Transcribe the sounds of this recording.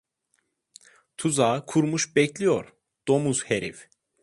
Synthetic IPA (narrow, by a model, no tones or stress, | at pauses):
t̪ʰuzaːkʰuɾmuʃbɛclʲijoɾ | d̪̥o̞muz̥heɾḭf